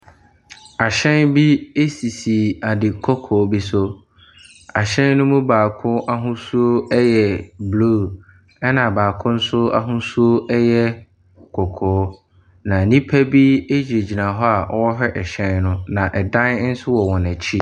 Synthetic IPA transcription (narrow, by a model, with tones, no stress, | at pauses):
a˨ɕɛ̃˦nbi˦e˦si˨si˨a˨dɪ˨kʰɔ˦kʰɔː˨˦bi˦sʊ˦ | a˨ɕɛ̃˦nnʊ̃˦mʊ̃˦baː˨kʰʊ̃˦ʔa˦ɦʊ̃˦su˦o˦jɛ˨blu˦˨ | ɛ˦nã˨baː˨kʰʊ̃˦n̩˦sʊ˦a̰˦ɦʊ̃˦su˦o˦ɛ˦jɛ˦ | kʰɔ˨kʰɔː˨˦ | nã˨nĩ˦pʰæ˦bi˦e˦d͡ʑi˨e˨d͡ʑi˨nã˨ɦɔ˦a˨ʔɔ˦wɔ˦ɦᶣɛ˦ʔɛ˨ɕɛ̃˦nnʊ̃˦nã˨ʔɛ˨dã˦n˦n̩˦sʊ˦wɔ˨wɔ̃˨næ˨t͡ɕʰi˦